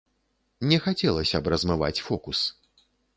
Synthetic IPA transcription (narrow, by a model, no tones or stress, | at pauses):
nʲɛxat͡sʲɛlˠɐsʲɐbrɐzmɨva̰t͡sʲfɔkus